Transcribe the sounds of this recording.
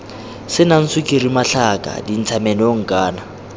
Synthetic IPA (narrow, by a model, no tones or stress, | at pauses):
sɪnan̩sukʼiɾimaɬakʼa̰din̩t͡sʰamɛnɛoŋ̩kʼaːna